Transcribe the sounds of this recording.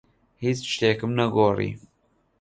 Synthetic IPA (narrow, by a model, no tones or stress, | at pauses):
hiːt͡sʃt̪eːkɨmnɛɡoːrḭː